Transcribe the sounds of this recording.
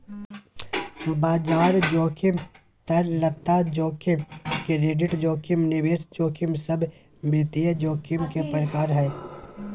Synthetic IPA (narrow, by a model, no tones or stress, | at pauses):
baːd͡ʒaːɾd͡ʒoːkʰɪm | t̪ɐɾlət̪ːad͡ʒoːkʰɪmkeɾeːɖɪʈd͡ʒoːkʰɪmnɪʋeːsd͡ʒoːkʰɪmsəbʱ | mɾɪt̪ijəd͡ʒoːkʰɪmkepəɾəkaːɾɦɛː